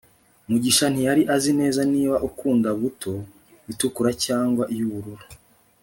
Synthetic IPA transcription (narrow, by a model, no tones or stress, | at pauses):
muɟiʃan̥ijaɾiʔazine̞ːzaniːβaʔukuːndaβutʰo̞ | βitukuɾacaːŋɡwaʔijuβuɾuɾu